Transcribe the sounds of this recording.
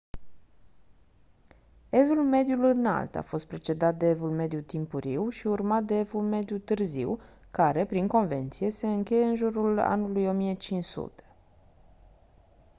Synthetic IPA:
e̞vulme̞d̪julɨna̰lt̪a̰fo̞st̪̚pɾe̞t͡ʃe̞d̪at̪̚d̪e̞evulme̞d̪jut̪impuɾiwʃiurmat̪̚d̪e̞evulme̞d̪jut̪ɨrziw | kaɾe̞pɾiŋko̞nve̞nt̪sije̞se̞ɨŋkʲe̞je̞ɨnʒuɾula̰nulujo̞mije̞t͡ʃinʃsṵt̪e̥

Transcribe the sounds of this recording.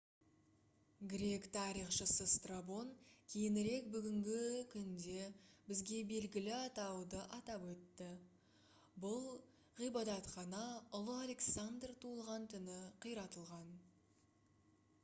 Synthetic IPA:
ɡʲɾʲe̞kt̪ʰɑɾijχʃəsəst̪rabo̞nkʲʰejɪnɪɾe̞kbʏɡʲɪŋɡʲɪkʲʰʏnd̪e̞bɪzɡʲe̞be̞lɡʲɪlɪɑt̪ɑwd̪əʔɑt̪ɑpwɵt̪ːɪ | bʊlˠ | ʁijbɑd̪ɑt̪χɑnɑʊlˠəalʲe̞ksand̪rt̪ʰulˠʁɑnt̪ʰʏnɪqʰijɾɑt̪əlˠʁɑn

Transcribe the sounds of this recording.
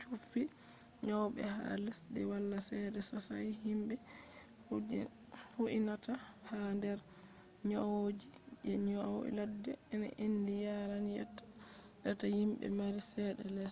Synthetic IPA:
t͡ʃʰufi | ɲawɓɛ̰ha̰lɛsdɛwalːasɛdɛsɔsajhimbɛ | hud͡ʒɛ̰ | huʔinata | handɛɾ | ɲawod͡ʒi | ɛɲɔwɛ̰ladːɛːna̰ʔendijaɾanja̰tːḁ | ɗatahimbɛ̰maɾisɛɗɛlɛs

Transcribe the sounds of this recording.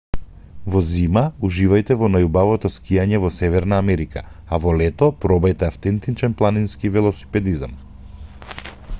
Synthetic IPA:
vɔzimauʒivajt̪ɛvɔnajubavɔt̪ɔskijaɲɛvɔsɛvɛɾnaːmɛɾika̰ | avɔlɛt̪ɔpɾɔbɛjt̪ɛaft̪ɛnt̪it͡ʃɛnplˠaninskivɛlˠɔsi̥pɛd̪izam

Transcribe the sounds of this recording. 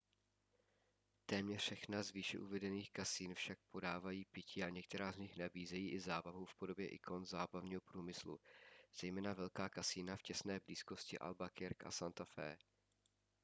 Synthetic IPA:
t̪ɛːmɲɛrʃɛxnazviːʃɛ̰ʔuvɛdɛniːxkasiːnfʃak̚po̞daːvajiːpɪcʰiːaɲɛk̚t̪ɛɾaːzɲɪxnabiːzɛjiːʔɪzaːbaɦufpo̞do̞bjɛʔɪkʰo̞nzaːbavɲiːɦo̞pɾuːmɪslṵz̥ɛjmɛːnavɛlkaːkasiːnafcɛsnɛːbliːsko̞scɪʔa̰lbakɪɾkʔa̰sant̪afɛ̰ː

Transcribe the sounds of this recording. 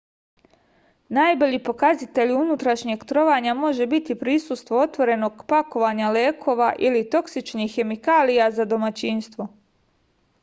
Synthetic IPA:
najbo̞ʎiːpo̞kazit̪e̞ʎunut̪ɾaʃɲeɡt̪ɾo̞ʋaɲamo̞ʒe̞bit̪ipɾisust̪ʋoot̪ʋo̞ɾe̞no̞ɡ̥pako̞ʋaɲaleːkʰo̞ːʋaʔilit̪o̞ksit͡ʃnixːe̞mikaːlijazad̪o̞mat͡ɕinst̪ʋo̞

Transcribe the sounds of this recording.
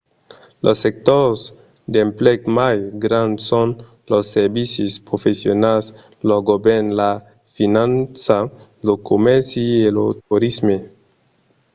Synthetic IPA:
lʔosːek̚t̪oɾs | d̪emplekmajɡɾãnd̪son | losːeɾbisispɾofesjonas | loɡobenla | finãnsalokomeɾsielot̪uɾisme

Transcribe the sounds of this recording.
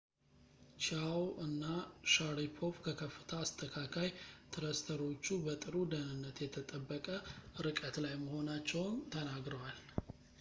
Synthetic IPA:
t͡ʃawʔɨnːaʃaɾipʰo̞fkʰəkʰəfːɨ̥t̪ʰəːst̪ʰəkʰakʰajt̪ʰɨɾəst̪ʰəɾo̞t͡ʃːubət̪ʼɨɾud̪ənɨnːət̪jɛt̪ʰət̪ʼəbːəkʼəɨɾɨkʼət̪lajməho̞nat͡ʃːɛwnt̪ʰənaɡɾəwal

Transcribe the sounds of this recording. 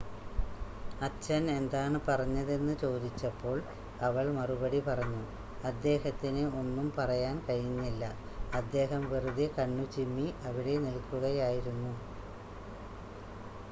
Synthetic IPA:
ɐt͡ɕːɐne̞nd̪aːɳɨpɐrɐɲːɐðe̞nːɨt͡ɕo̞ːd̪it͡ɕːɐpːo̞ːɭ | ɐʋɐɭmɐrubɐɽipɐrɐɲːu | ɐd̪ːe̞ːɦɐt̪ːinɨo̞nːumpɐrɐjaːnkɐɻiɲːilːɐ | ɐd̪ːe̞ːɦɐmʋirud̪ikɐɳːut͡ɕimːiɐʋiɽe̞nilkːuɣɐjaːjiɾunːu

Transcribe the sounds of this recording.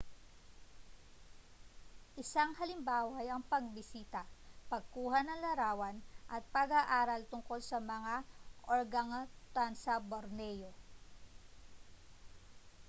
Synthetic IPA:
ʔɪsaŋhɐlɪmbaːwɐʔɐjɐŋpɐɡ̚bɪsiːt̪ɐpɐɡ̚kuːhɐnɐŋlɐɾaːwɐnʔɐt̪̚pɐɡaʔaːɾɐlt̪ʊŋko̞lsɐmɐŋaʔoɹɡɐŋt̪ansɐboɾnɛjo

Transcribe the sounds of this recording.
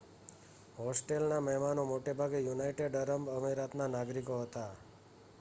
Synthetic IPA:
ɦɔsʈelnaməɦmanõmoʈebʱaɡejunajʈeɖəɾəmbəmeɾat̪nanaɡɾikoɦət̪a

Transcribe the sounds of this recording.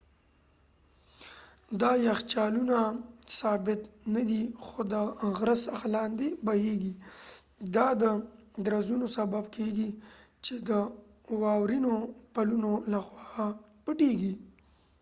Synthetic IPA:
d̪ɑjaxt͡ʃɑlunasɑbɪt̪nad̪ixod̪əɣɾasaxalɑnd̪ebaheɡi | d̪ɑd̪əd̪ɾazunosababkeɡi | t͡ʃed̪ə | wɑwɾinopalunolaxwɑ | pəʈeɡi

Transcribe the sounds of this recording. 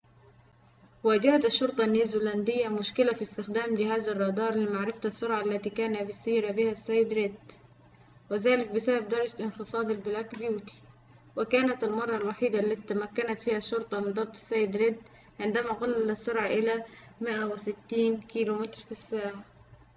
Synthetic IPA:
waːd͡ʒahat̪aʃːʊɾt̪ˤɑnːiːzuːland̪ɪjːamʊʃkɪlafist̪ɪxd̪aːmd͡ʒɪhaːzɑrˤːɑd̪ɑːɾˤlɪmaʕɾɪfat̪ɑsːʊɾʕaʔlːat̪iːkaːnabɪsiːɾabɪhasːajːɪd̪ɾɪd̪ | wɪðaːlɪk̚bɪsabab̚d̪ɑɾˤɑd͡ʒalʔɪnxɪfɑːd̪ˤɪlbɪlakbjuːt̪i̥ | wɪkaːnat̪ɪlmɑrˤːɑlwaħiːd̪aʔlːat̪it̪ːamakːanat̪fiːhaʃːʊɾt̪ˤɑmɪnd̪ɑb̚t̪ːˤɪ̥sːajːɪd̪ɾɪd̪ | ʕɪnd̪amaɣɑlːasːʊɾʕɑʔɪlamɪʔawɪsɪt̪ːiːnkiːlumɪt̪ɾfisːaːʕa

